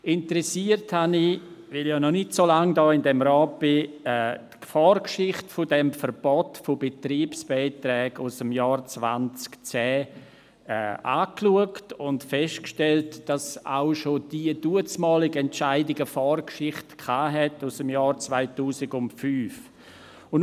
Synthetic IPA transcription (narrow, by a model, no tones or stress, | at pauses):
ɪntəɾɛsiərthanivɪljanɔnɪtsolaŋdɔːɪndɛmɾɔːt̚b̥ɪɛː | fɔːrkʃɪχtfʊdɛmfəɾb̥ɔtfʊbetɾiːpsb̥ɛɪtɾɛːɡʊsəmjɔːrt͡sva̰nt͡skt͡sɛː | ɛ̰ːa̰ːkluəktʊntfɛʃtkʃtɛltd̥asa̰ʊʃod̥iːəduət͡smɔːlɪɡɛntʃaɪdɪɡəfɔːrkʃɪχtkʰaːɦɛtʊsəmjɑːɾt͡svaɪtuːsɪɡʊntfyːf | ʊn